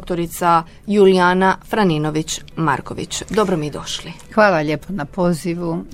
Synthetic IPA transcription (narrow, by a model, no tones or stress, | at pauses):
kt̪oɾit̪sa | julijaːnafɾaninoʋit͡ɕma̰ɾko̰ʋḭt͡ɕd̪o̞bɾomied̪o̞ʃli | xʋaːlaʎepʰonapoːziʋu